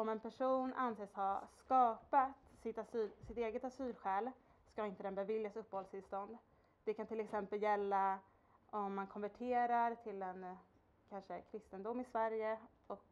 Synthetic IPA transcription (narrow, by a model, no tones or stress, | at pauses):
ɔmɛnpʰæʂuːnʔanseːshaskɑːpat̪sɪt̪asyːsɪt̪eːɡət̪asyːlɧɛːl | skaɪnt̪əd̪ɛnbɛvɪljasɵpːhɔlst̪ɪlst̪ɔnd̪ | d̪̥ɛkʰant̪ʰɪlɛksɛmpəljɛlːa | ɔmːankʰɔnvæʈʰeːɾaɾt̪ʰɪlɛn | kʰanʂəkʲʰɾɪst̪ənd̪ʊmːɪsvæɾjə | ɔk